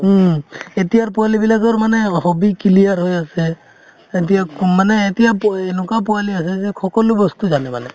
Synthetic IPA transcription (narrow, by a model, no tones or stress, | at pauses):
etijaɹpualibilakɔmanɛhɔbikilijaɹɦojasɛː | t̬ijamanɛːtijapenʊkap̬ɔalias̬ɛzɛkʰɔkɔlubɔst̪uzanɛma̰nɛ